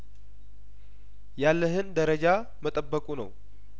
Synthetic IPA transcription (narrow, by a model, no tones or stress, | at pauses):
jalːəɦɨnd̪əɾəd͡ʒa | mət̪ʼəbːəkʼunə̰w